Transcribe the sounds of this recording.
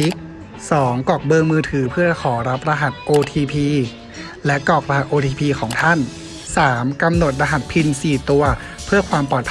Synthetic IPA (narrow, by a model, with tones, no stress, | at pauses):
i˦˥k̚ | sɔː˩˦ŋkɔː˨˩k̚bɤː˧ŋmɯː˧t̪ʰɯː˩˦pʰɯ˥˩ɐa˧kʰɔː˩˦ɾa˦˥p̚ɾa˧ɦa˨˩t̪̚ʔoː˧t̪ʰiː˧pʰiː˧ | lɛ˦˥kɔː˨˩k̚ɾa˧ɦa˨˩t̪̚ʔoː˧t̪ʰiː˧pʰiː˧kʰɔː˩˦ŋt̪ʰa˥˩n | saː˩˦mka˧mno˨˩t̪̚ɾa˧ɦa˨˩t̪̚pʰi˧nsiː˨˩t̪u˧ɐ | pʰɯ˥˩ɐkʰwaː˧mpɔː˨˩t̪̚ʰ